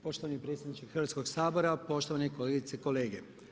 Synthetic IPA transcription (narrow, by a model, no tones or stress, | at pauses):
po̞ʃt̪oanipɾet̪sʲjed̪nit͡ʃixɾʋat̪sko̞ɡsaːbo̞ɾapo̞ʃt̪oʋaneiko̞le̞ɡit̪seko̞le̞ːɡe̞